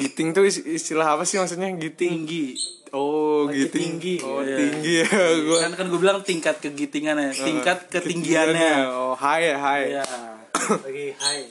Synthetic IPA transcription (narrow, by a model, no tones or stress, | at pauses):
ɡit̪ɪŋt̪uiist̪ilaɦapasɪhmaks̬ut̪ɲaɡit̪ɪiŋŋɡi | oɡit̪ɪŋŋɡiot̪iŋɡiɡuɛkankanɡuabilaŋt̪iŋkat̪̚kəɡit̪ɪŋanat̪iŋkat̪̚kəiŋɡianɲaoɦajɦaja | iha